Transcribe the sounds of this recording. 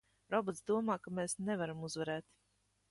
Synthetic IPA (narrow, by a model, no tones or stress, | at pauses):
ɾɔbɔt̪sd̪uɔmaːkameːsnevaɾamuzvɛɾɛːt̪